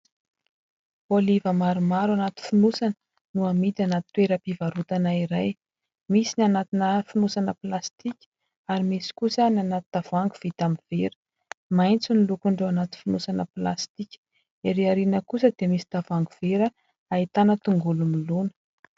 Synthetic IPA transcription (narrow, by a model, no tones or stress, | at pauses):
olivəmaɾumaɾuanat̪i̥funusanə | nuamid̪anat̪t̪ːweɾəpivaɾut̪anaiɾaj | misinanat̪inəfunusanəplast̪ikʲə̥ | aɾimisi̥kusənanat̪id̪̥avuaŋɡuv̥it̪amiv̥eɾə̥ | majnt͡sunilukuɳɖ͡ʐoanat̪i̥finusanəpla̰st̪ikʲə̥ | eɾeaɾinəkusəd̪̥emisi̥d̪̥avaŋɡuveɾə | ait̪anət̪uŋɡulunilunə̥